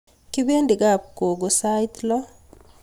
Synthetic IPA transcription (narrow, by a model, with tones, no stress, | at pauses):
ki˦be˦ndi˨ɡa˨p̚ko˨ɡo˨sajt̪lɔ˦